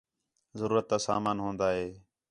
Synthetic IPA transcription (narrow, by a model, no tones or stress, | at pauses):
zəɾuːɾət̪̚ːaːsa̰ːmaːnɦõːnd̪aːɦeː